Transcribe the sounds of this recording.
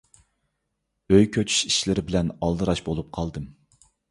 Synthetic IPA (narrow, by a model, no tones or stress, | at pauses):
øjkʲʰøt͡ʃʰy̥ʃiʃlɪɾɪbɪlɛnɑlˠd̪ɨɾɑʃbolˠup̚qʰɑlˠd̪ɨm